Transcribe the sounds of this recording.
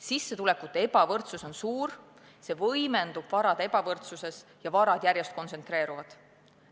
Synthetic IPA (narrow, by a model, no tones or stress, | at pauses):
sisːet̪ule̞kːˑut̪ːeebɑvɤrt̪suso̞nsuːr | se̞vɤjme̞nd̪̥ub̥vɑɾɑd̪̥e̞bɑvɤrt̪suse̞sjɑvɑɾɑd̪̥jærjest̪̚ko̞nt̪se̞nt̪re̞ːɾuvɑd̪̥